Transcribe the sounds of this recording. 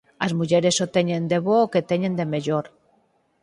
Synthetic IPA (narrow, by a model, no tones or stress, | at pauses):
ɐzmuʎeɾesot̪eɲẽnd̪eβoːket̪eɲend̪emeʎoɾ